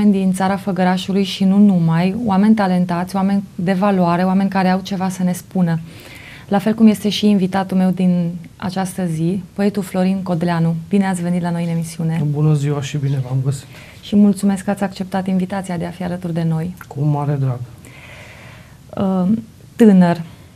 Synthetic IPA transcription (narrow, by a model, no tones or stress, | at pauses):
enʲd̪int̪saɾafəɡəɾaʃulujʃinunumajwame̞nʲt̪ale̞nt̪at̪sʲowame̞nʲd̪e̞valwaɾe̞oame̞nʲkaɾe̞awt͡ʃe̞vasəne̞spunə | lafe̞lkumje̞st̪e̞ʃiːnvit̪at̪ume̞wd̪in | a̰t͡ʃast̪əzipoe̞t̪uflo̞ɾinko̞d̪leanub̥ine̞at̪sʲve̞nit̪lano̞jɨne̞misiune̞bunəziwaʃibine̞vamɡəsi̥t̪ | ʃimult̪sume̞skat̪sʲakt͡ʃe̞p̚t̪at̪invit̪at̪siad̪e̞afialət̪urd̪e̞no̞jkʰumaɾed̪ɾaɡ | ə | t̪ɨnər